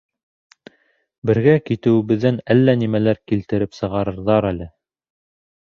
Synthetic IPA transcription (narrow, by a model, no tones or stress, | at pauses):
bɘ̆ɾɡækit̪ɘ̆wɘ̆βɘ̆ðːænælːænimælæɾkilt̪ɘ̆ɾɘpsɤ̆ʁɑɾɤ̆ɾðɑɾælɘ